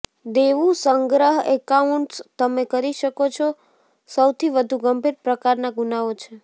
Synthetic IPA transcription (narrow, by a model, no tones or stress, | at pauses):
d̪eʋũsəŋɡɾəɦekauɳʈst̪əmekəɾiʃəkot͡ʃʰo | səwt̪ʰiʋəd̪ʱuɡəmbʱiɾpɾəkaɾnaɡunaot͡ʃʰe